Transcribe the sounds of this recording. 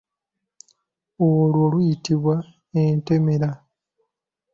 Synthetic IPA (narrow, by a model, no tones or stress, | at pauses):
olwolujitiβwa | ente̞me̞ɾa